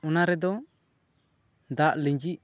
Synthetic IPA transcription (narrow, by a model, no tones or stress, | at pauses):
unaɾɛd̪ɔ | d̪aʔliɲd͡ʒiʔ